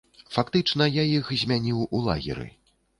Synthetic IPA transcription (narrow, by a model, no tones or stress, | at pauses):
fakt̪ɨt͡ʂnɐjajixzʲmʲanʲiwulˠa̰ɣʲḭɾɨ̰